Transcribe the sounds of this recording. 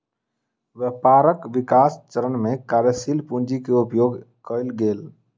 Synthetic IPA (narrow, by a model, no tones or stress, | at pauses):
ʋəpaɾəkʋikast͡ʃəɾənmekaɾjəsilpund͡ʒikeupjoɡ | kəɪlɡel